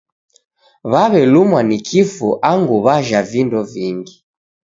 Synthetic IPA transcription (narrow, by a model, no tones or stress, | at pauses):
βaβɛlumwanikʰifṵʔaŋɡuβaʒavindɔviŋɡi